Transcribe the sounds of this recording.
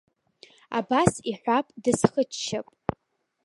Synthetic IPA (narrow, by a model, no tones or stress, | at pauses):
a̰basiħʷapʼdɨsχət͡ʃt͡ʃʰːapʼ